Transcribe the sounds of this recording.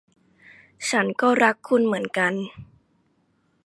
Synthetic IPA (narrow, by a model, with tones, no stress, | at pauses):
t͡ɕʰa˦˥nkɔː˥˩ɾa˦˥kʰːu˧nmɯ˩˦ənka˧n